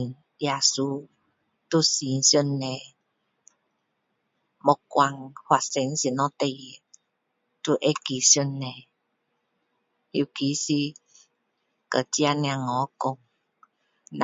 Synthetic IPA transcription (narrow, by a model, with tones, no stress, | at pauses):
n | ja˨su˧˦ | tu˦˨si˨˦n˦sju˥˦nːɛ˨ | mɔ˨kwa˨ŋhwa˨sɛ˨˦n˦si˨nɔ̃˦t̪ɛ˧ji˨ | tu˦ʔe˦ki˨˦sju˦nːɛ˨ | ju˨ki˨˦si˧ | kə˨ti˦a˦˧nj̃a˨˧ŋɔ˨˦kʊ˨ŋ | na˨